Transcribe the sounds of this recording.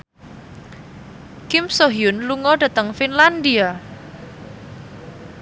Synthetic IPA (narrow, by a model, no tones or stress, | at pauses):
kɪmsoɦjʊnluŋɔɖ̥ä̤t̪əŋfinland̪ia